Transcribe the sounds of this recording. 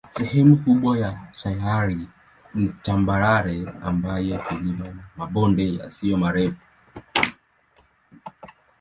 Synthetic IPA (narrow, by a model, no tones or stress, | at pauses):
sɛhɛmukuɓwajasaaɾi | nit͡ʃambaɾaɾɛa̰mbajɛkilimamaɓɔndɛja̰sijɔmaɾɛfu̥